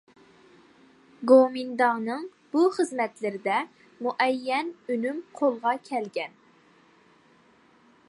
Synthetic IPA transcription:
ɡomind̪ɑŋnɨŋ | b̥uχəzmɛt̪lɪɾɪd̪ɛ | muʔɛjːɛnynymqʰolˠʁɑkʲʰɛlɡʲɛn

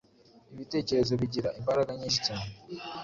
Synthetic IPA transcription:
iβite̞ːce̞ɾe̞zo̞βiɟiɾaʔimbaɾaɡaɲiʃi̥tami

